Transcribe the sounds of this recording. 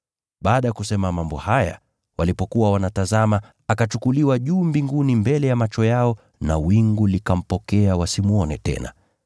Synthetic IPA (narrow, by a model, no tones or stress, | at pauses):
ɓaːɗajakusɛmamambɔhaja̰ | walipɔkuwawanatazama | akat͡ʃukuliwaʄuːmbiŋɡunimbɛlɛjamat͡ʃɔjaɔ | na̰wiŋɡulikam̩pɔkɛawasimuɔnɛtɛ̰na̰